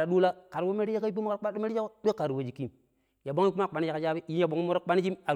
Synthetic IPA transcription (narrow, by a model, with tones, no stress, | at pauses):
a˨ɗu˦la˦ka˨ɾwo˦me˦ɾi˦a˦ka˦i˦pi˦mo˦ka˦a˦o˦me˦ɾi˦a˦kdo˦ka˨ɾwo˨d͡ʒi˨ki˦m | ja˨bo˦ŋ˦i˦kma˦˨k͡pa˨ni˦a˨ka˨d͡ʒa˦bi˦˨ji˦ja˨bo˨ŋ˦i˦mo˦ɾo˦k͡pa˦ni˦d͡ʒi˦ma˨